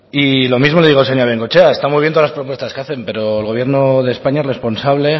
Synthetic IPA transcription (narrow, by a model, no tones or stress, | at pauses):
ilo̞mizmoleiɣoseɲaβeŋkot͡ʃeaest̪amwuiβjent̪oalaspɾo̞p̬we̞st̪askeaθe̞mpe̞ɾo̞elɣo̞βje̞ɾnoðe̞spaɲaere̞spo̞nsaβle̞